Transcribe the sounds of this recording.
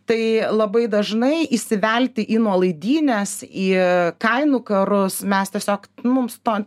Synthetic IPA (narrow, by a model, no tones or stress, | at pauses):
t̪ɐɪlˠɐbɐɪd̪ɐʒnɐɪisʲɪʋʲɛlʲt̪ʲɪʔiːnuɔlˠɐɪd̪ʲiːnʲɛsiːkɐɪnuːkɐɾʊsmʲɛst̪ʲiɛsʲoːkmʊmst̪oːn